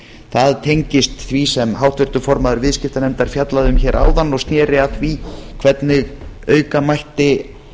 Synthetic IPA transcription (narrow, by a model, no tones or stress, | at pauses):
θaðt̪ʰejɲcɪst̪θvisɛmɦawht̪vɪr̥t̪ʏfɔɾmaðʏɾvɪðscɪft̪anɛmt̪aɾ̥fjat̪laðʏmçɛːɾʔa̰ːwðanːɔɣst̪njɛːɾɪaθvikʰvɛt̪nɪɣœːɥkamajht̪ɪ